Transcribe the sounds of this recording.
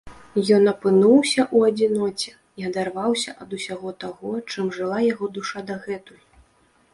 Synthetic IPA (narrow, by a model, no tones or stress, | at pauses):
jɔnɐpɨnuwsʲɐʔuɐd͡zʲinɔt͡sʲɛ | iɐd̪arvawsʲɐʔɐd̪usʲaɣɔt̪aɣɔt͡ʂɨmʐɨlˠajaɣɔd̪uʂad̪ɐɣɛt̪uju